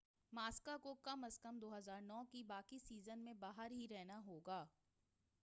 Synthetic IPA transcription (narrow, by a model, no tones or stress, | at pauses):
maːskakokɐməskɐmd̪oːɦəzaːɾnɔːkibaːkisiːzənmẽbaːɦəɾɦiɾɛɦnaɦoːɡaː